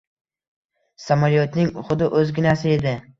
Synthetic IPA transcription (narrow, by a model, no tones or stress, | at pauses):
samaljot̪nɪŋχʊd̪ɪʔɵzɡʲɪnasɪe̞d̪ɪ